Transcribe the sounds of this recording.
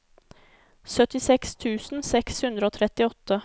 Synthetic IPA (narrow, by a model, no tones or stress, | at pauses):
sœt̪ɪsɛkst̪ʰʉːsn̩sɛkshʉnd̪ɾəoːt̪ʰɾɛt̪ːɪɔt̪ːə